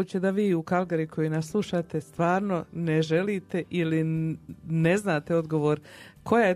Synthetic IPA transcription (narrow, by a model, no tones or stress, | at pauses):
uːt͡ɕed̪aʋiːukalˠɡaɾikʰo̞jinasslˠuʃaːt̪e̞st̪ʋaːɾno̞neʒe̞liːt̪e̞ʔili | ne̞znaːt̪eo̞d̪ɡo̞ʋo̞ːɾkʰo̞jae